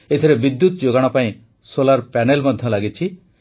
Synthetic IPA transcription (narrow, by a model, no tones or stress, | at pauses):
et̪ʰiɾebid̪ːut̪ɔd͡ʒoɡaɽ̃ɔpaĩ | solaɾpɛnelmɔd̪ʱjɔlaɡit͡ʃʰi